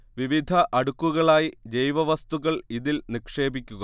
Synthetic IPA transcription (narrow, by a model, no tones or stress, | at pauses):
ʋiʋid̪ʱɐʔɐɽukːuɣɐɭaːjid͡ʑe̞jʋɐʋɐst̪uɣɐɭiðilnikʂe̞ːbikʲːuɣɐ